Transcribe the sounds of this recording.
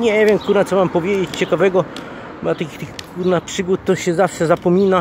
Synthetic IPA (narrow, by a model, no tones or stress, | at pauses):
ɲɛɛvʲjɛmkuɾnat̪sɔmampɔvʲjed͡ʑet͡ɕt͡ɕɛkavɛɡɔ | bat̪akʲit̪ɘxkuɾnapʂɘɡut̪t̪ːɔɕɛzafʂɛzapɔmʲina